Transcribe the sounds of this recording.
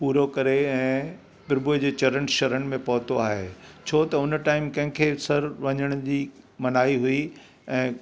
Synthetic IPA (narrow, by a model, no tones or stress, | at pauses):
puːɾokɐɾeɛ̃ː | pɪɾbʊd͡ʑeːt͡ɕɐɾəɳʈʃɐɾəɽ̃ɪ̆mẽpɐɦʊt̪oaːɦḛːt͡ɕʰoːt̪ɐʊnʈaːɪmkɐ̃ɦɪ̃kʰeːsɐɾʋɐɲəɽ̃ʊd͡ʑiː | mɐnaːiɦʊi | ɛ̃ː